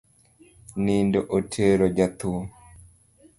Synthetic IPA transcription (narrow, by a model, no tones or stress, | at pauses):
nindoʔotʰeɾod͡ʒat̪u